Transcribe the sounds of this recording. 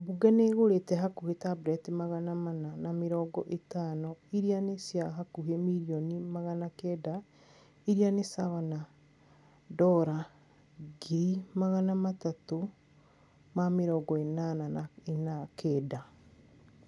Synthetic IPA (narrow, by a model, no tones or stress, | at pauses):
buɡɛneɣoɾetɛɦakuhetabɾɛtimaɣanamananameɾɔːɡɔʔetaːnɔiɾianesjaɦakuɦemiɾiɔnimaɣanakɛda | iɾianesawana | dɔɾa | ɡimaɣanamatato | mameɾɔːɡɔenanaenakʰɛːda